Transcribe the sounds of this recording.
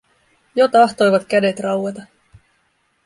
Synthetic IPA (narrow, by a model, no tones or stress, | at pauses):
jot̪ɑht̪o̞jʋɑt̪kæde̞t̪rɑwet̪ɑ